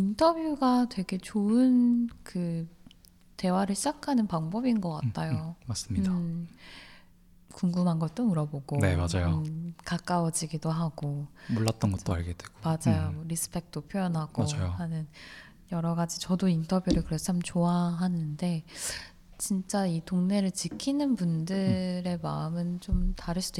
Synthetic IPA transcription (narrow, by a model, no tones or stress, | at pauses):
intʰʌbjuɡatwe̞ɡe̞t͡ɕoɯnkɯ | te̞waɾɯɭɕʰid͡ʑakʰanɯnpaŋbʌbinɡʌk͈a̰tt͈ʰajomas͈ɯmɲida | kuŋɡumɦanɡʌt̚t͈omuɾʌboɡone̞mad͡ʑajokak͈aud͡ʑiɡidoɦaɡomoɭːat̚t͈ʌnɡʌtt͈oaɭɡed̥weɡ̥omad͡ʑajomʌɾisʰɯ̥pʰe̞k̚t͈opʰjojʌnɦaɡ̥oad͡ʑajohanɯn | jʌɾʌɡad͡ʑit͡ɕʌdointʰʌbjuɾɯɭkɯɾet͡ɕʰamt͡ɕoaɦanɯnde̞ | t͡ɕint͡ɕ͈aitoŋne̞ɾɯɭt͡ɕɯkʰinɯnpundɯɾe̞maɯmɯnt͡ɕomtaɾɯɭs͈ʰid̥o